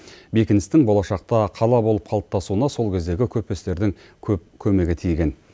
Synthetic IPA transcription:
be̞kʲɪnɪst̪ɪŋbo̞lˠɑʃɑq̚t̪ɑqʰɑlˠɑbo̞lˠəp̚qʰɑlˠəp̚t̪ʰɑsuənɑso̞lˠkʲʰe̞zd̪e̞ɡʲɪkʲʰɵp̚pest̪e̞ɾd̪ɪŋ | kʲʰɵp̚kʲʰɵme̞ɡʲɪt̪ʰijɡʲe̞n

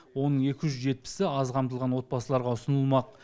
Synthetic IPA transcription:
wo̞nəɴe̞kʲɪʒʏzʒe̞t̪̚pɪ̥sɪɑzqʰɑmt̪əlˠʁɑnwo̞t̪̚bɑsəlˠɑɾʁɑʊsənəlˠmɑq

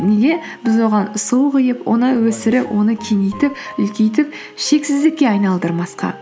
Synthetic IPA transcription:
nʲeɡ̪e̞ | bɪzwo̞ʁɑnʊsəwqəjəpwʔo̞̰nəwɵsɪɾɪpwʔo̞nəkʲʰenejt̪ɪpʏlkʲejt̪ɪp | ʃe̞ksɪzd̪ɪkʲːe̞ɑjnɑlˠd̪əɾmɑsqɑ̰

